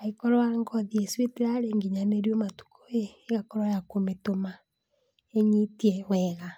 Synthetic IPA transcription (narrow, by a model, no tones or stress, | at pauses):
aikɔɾɔaŋɡɔðiesweteɾaɾeŋɡiɲaneɾjomatu̥koeːɣakɔɾɔjakometoma | eɲitiɛwɛɣa